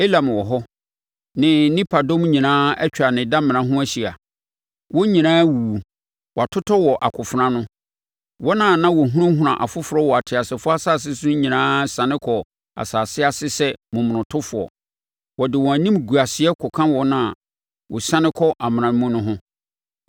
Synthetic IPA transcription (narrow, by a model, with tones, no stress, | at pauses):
e˦la˨m̃˨wɔ˨ɦɔ˦ | nɪ̃˦nĩ˦pʰa˨dɔ̃˦mɲĩ˨nãː˦ɛ˦t͡ɕᶣa˨nɪ̃˨dã˦mɪ̃˨nã˨ɦʊ̃˦æ˦ɕi˨a˨ | wɔ˦ɲĩ˨nãː˦wu˨u˨ | wɔ˨a˨tʰʊ˦tʰɔ˦wɔ˨ʔa˨kʰʊ˨fʊ˨ɾã˦nʊ̃˦ | wɔ˦nã˦˨nã˦wɔ˨ɦũ˦ɾʊ̃˦ɦʊ̃˨ɾã̰˨ʔa̰˨fʊ˦fʊ˨ɾɔ˦wɔ˨a˨tʰɪ˨a˨sɪ˨fʊ˦a˦saː˦˨s̬ɪ˦sʊ˦ʊ̃˦ɲĩ˨nãː˦sã˨nɪ̃˦kʰɔ˨ | a̰˨saː˨sɪ˦a˨sɪ˦sɛ˦mũ˨mʊ̃˨nʊ̃˨tʰʊ˦fʊ˨ɔ̰˨ | wɔ˨dɪ˨wɔ̃˨æ˨nĩ˦mɡu˨a˨sɪ˨˦ɛ˦kʰɔ˨kʰã˦wɔ˦nã˦˨ | wɔ˨sã˦nɪ̃˦kʰɔ˦ʔa˨mɪ̃˨ã˨˦mũ˦nʊ̃˦ɦʊ̃˦